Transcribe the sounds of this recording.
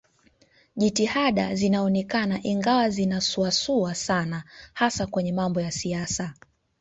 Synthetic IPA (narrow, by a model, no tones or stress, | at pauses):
ʄitihaɗa̰zinaɔnɛkanaʔiŋɡawazinasuasuasanahasakwɛɲɛmambɔjasiasa